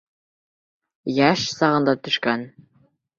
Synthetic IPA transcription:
jæʃsɑʁɤ̆nd̪ɑt̪ɵ̆ʃkæn

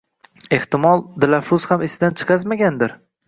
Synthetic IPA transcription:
e̞ht̪ɪmɒlˠd̪ɪlafʊzhamɪsɪd̪ant͡ʃʰɨ̥qʰɑzmaɡʲand̪ɪɾ

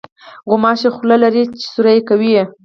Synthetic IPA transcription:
ɣʊmɑʃexlalaɾit͡ʃe̥suɾajekawije

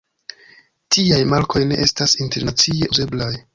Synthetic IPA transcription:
tiajmalko̞jne̞̰ʔe̞stasinte̞ɾnat͡sie̞ʔuze̞blaj

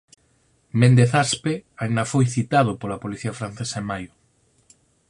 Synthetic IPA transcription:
mẽnd̪eθaspeaind̪afojθit̪að̞ʊpolapoliθiafɾan̟θesaemajʊ

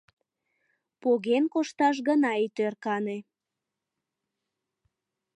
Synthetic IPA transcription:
poɣenkoʃt̪ɑʃ̬ɣənɑit̪ørkɑne

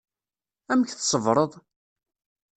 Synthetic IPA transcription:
æməçθsˤəvɾˤəðˤ

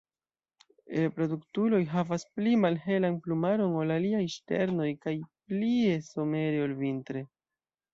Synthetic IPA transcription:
epɾo̞duktulo̞jɦavasplimalɦe̞lanplumaɾo̞no̞laliajʃte̞̰ɾno̞jkajplie̞so̞me̞ɾeolvintɾe

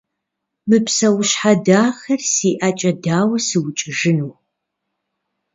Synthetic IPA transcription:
mɨpsɐwʊɕħadaːxɐrsiːʔat͡ʃʼɐdaːwɐsɨwʊt͡ʃʼɪʒɨnuː

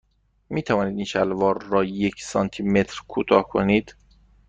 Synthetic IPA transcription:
miːt̪ʰævɒːniːd̪iːnʃælvɒːɾːɒːjecʰsɒːnt̪ʰime̞t̪ʰɾkʰuːt̪ʰɒːhkʰo̰niːd̪̥

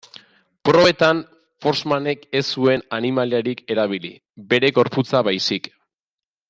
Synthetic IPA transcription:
pɾo̞βe̞t̪an | fo̞ɾzmane̞ke̞sue̞nanimaliaɾike̞ɾaβ̞ilḭ | be̞ɾe̞ɣo̞ɾput͡saβajsik

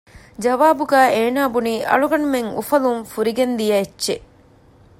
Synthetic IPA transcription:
d͡ʒɐʋaːbuɡæːeːnaːbuniːʔɐ̰ɭuɡɐɳumeŋṵfɐlumfuɾiɡend̪ijɐetːʃe

